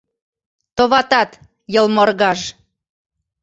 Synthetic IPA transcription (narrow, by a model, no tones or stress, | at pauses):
t̪oβɑt̪ɑt̪ | jɤlmorɣɑʃ